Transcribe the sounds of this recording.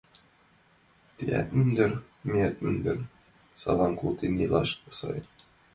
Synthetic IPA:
t̪iæ̰t̪mynd̪ɘ̆ɾ | meæt̪̚mynd̪ɘɾ | sɑ̰lˠɑŋkut̪inilˠɑ̰ʃkɤ̥sɤ̰j

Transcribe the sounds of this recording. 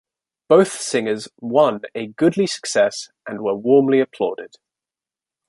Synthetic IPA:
b̥əʊθsɪ̃ŋəzwʌ̃nəɡʊdˡlisə̥ksɛsʔə̃nwəwɔːmliəpʰl̥ɔ̰ːdɪd̥

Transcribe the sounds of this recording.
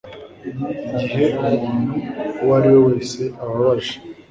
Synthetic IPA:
ɟiɦeʔumuːn̤uwaɾiwoweːseʔaβaβaʒi̥

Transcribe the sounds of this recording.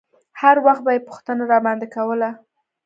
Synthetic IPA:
haɾwaxt̪̚bɑjepʊ̥xt̪ənaɾɑmand̪akawəla

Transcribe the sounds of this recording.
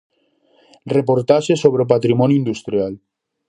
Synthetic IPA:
repoɾt̪aʃesoβɾeopat̪ɾimɔnjind̪ust̪ɾjal

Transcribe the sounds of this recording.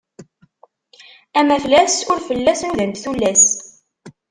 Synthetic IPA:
æmæflæsʊɾfəlːæsnuðənt̪θulːæs

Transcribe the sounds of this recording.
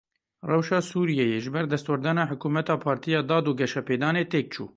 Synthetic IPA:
rɛwʃɑːsuːɾijɛjeːʒɨbɛɾd̪ɛst̪wɛɾd̪ɑnɑːħʊkuːmɛt̪ɑːpʰɑːɾt̪ʰijɑːd̪ɑːd̪uːɡɛʃɛpeːd̪ɑːneːt̪eːk̚t͡ʃʰṵː

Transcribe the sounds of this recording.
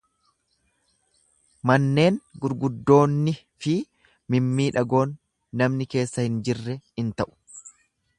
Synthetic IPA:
mɐnːe̞ːŋɡʊɾɡʊd̪ːo̞ːnːɪ | fɪ | mɪmːiːᶑɐɡo̞ːnː | ɐmnɪke̞ːsːɐhɪnd͡ʒɪrːɛhɪnt̪ɐʔʊ̥

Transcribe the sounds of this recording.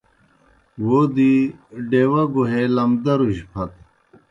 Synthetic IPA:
wod̪iɖeːwɐɡuɦelɐmd̪ɐɾuɕpʰɐt̪

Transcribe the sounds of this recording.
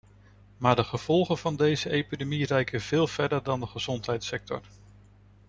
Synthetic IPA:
maːɹdəχəv̥ɔlˠχəv̥ɑndejzəʔejpidemirɛjkəv̥ɪːlˠv̥ɛɹdəɹdɑndəχəz̥ɔntɦɛjtsɛk̚tɔ̰ɹ

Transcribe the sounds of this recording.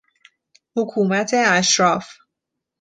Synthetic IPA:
hokʰuːmæt̪ʰeæʃɾɒːf

